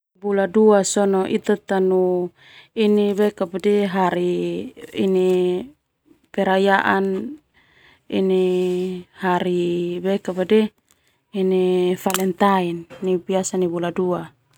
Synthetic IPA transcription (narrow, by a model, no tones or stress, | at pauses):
buladuasɔnɔʔit̪at̪anu | iniβɛkapadɛɦaɾi | ini | pɛɾajaʔan | ini | haɾibɛkapadɛ | inifalɛnt̪ainːibiasanibuladua